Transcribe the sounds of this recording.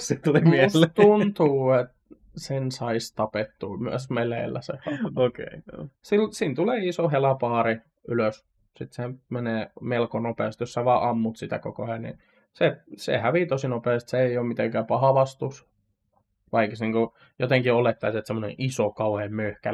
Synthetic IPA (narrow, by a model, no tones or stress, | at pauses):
sit̪ulimiælːet̪unt̪uːet̪ | sensɑist̪ɑpet̪ːuːmyæsmelḛːlːæ̰sḛhɑokḛisilsiːnt̪uleːisohelɑpɑːɾi | yløs | sit̪semeneːmelkonopeːst̪josːɑʋɑːʔɑmːut̪sit̪æ̰ko̰kohenḭ | sesḛhæʋiːt̪osinopeːst̪seeioːmmit̪eŋkæːpɑhɑʋɑst̪us | ʋɑiksniːŋku | jot̪eŋkiolet̪ːɑiset̪semːonḛ̃ʔisokɑuheːmmøhkæ